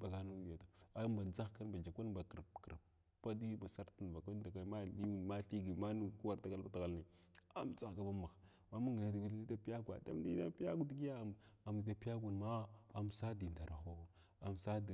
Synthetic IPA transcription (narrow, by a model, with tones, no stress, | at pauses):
ba˨ɡa˦nu˦˨a˨ta˨a˦mba˨d͡za˦xka˦nba˨d͡ʒa˨kʷa˦nba˨kə˨ɾpkə˨ɾp | pa˦di˦ba˨sa˦ɾtu˨n˨va˨ka˦n˦da˨ka˦ma˦˨di˦u˦˨n˨ma˦ɬi˦ɡi˨ma˦nu˦ku˦wa˦ɾta˨ka˦lba˦ta˨ɣa˨lna˨ | a˦mt͡sa˦xka˦ba˦ma˨x | ma˦mu˦ŋɡi˨na˨˦da˨ɡu˦li˦ta˦pi˦a˦ɡʷa̰˨da̰˦m˦di˦da˦pi˦a˦ɡu˦di˦ɡi˦a˦˨a˨mdi˨˦ta˨pi˦ja˦ɡʷu˨nma˦a˨msa˦di˨nda˨ɾa˨xo˦˨ | a˨msa˦di˨